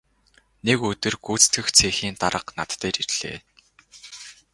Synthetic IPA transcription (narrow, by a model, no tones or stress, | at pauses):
nekɵt̪ɘ̆rɡuːt͡st̪ʰɘ̆xt͡sʰeːxiːnt̪aɾə̆qnat̪ːeːrirɮ̥ḛː